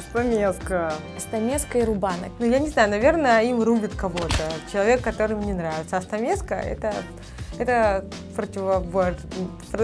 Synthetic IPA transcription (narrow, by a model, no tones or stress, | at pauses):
ɐst̪ɐmʲeskəɐst̪ɐmʲeskəiɾʊbanə̰knujanʲɪznajʊnɐvʲe̞rnəimrubʲɪt̪kɐvot̪ət͡ɕɪlˠɐvʲekːɐt̪o̞ɾɨmnʲɛnɾavʲɪt̪səɐst̪ɐmʲeskə̰ɛ̰t̪ə | ɛt̪ə | pɾətʲɪvɐvo | p